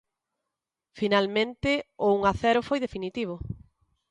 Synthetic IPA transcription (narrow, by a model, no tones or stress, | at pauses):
finalmẽnt̪ɪʊuŋaθɛɾʊfojðefinit̪iβ̞o